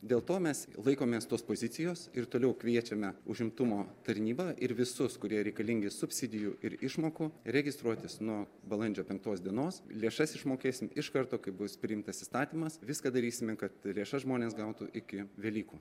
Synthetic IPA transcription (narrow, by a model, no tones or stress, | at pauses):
d̪ʲeːlˠt̪oːmʲɛslˠɐɪkoːmʲeːst̪oːspoːzʲɪt̪sʲɪjoːsɪɾt̪oːlʲɛʊkʋʲiɛt͡ʃʲɛmʲɛʊʒʲɪmt̪ʊmoːt̪ɐɾʲnʲiːbɑːʔɪɾʋʲɪsʊskʊɾʲiɛɾʲɛɪkɐlʲɪŋʲɡʲɪsʊpʲsʲɪd̪ʲɪjuːʔɪɾɪʃmoːkʊɾʲɛɡʲɪst̪ɾuɔt̪ʲɪsnuɔ | bɐlˠɐnʲd͡ʒʲoːpʲɛŋk̚t̪oːsd̪ʲiɛnoːslʲeːʃɐsɪʃmoːkʲeːsʲɪmɪʃkɐɾt̪oːkɐɪbʊspʲɾʲɪɪmt̪ɐsɪst̪ɑːt̪ʲiːmɐsʋʲɪskɐd̪ɐɾʲiːsʲɪmʲɛkɐt̪lʲeːʃɐʒmoːnʲeːsɡɐʊt̪ṵʔɪkʲɪʋʲɛːlʲiːkuː